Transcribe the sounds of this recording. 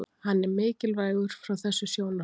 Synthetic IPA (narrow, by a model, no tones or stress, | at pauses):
hanːɛɾmɪːcɪlvaːjɣʏɾ̥fɾawθɛsːʏsjoːwna